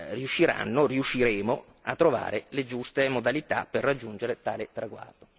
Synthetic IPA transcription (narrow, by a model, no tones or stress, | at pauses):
riuʃːiɾa̰nːoriuʃːiɾɛːmo | at̪ːɾova̰ːɾeled͡ʒust̪emod̪alit̪a̰pːerːad͡ʒːund͡ʒeɾet̪aːlet̪ɾaɡwa̰rd̪o